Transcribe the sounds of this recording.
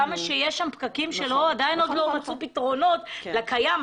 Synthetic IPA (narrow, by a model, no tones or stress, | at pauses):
amaʃejeʃʃampɡakimʃe̞lo̞ad̪aino̞d̪lo̞mat͡supitʁo̞no̞t̪lakajam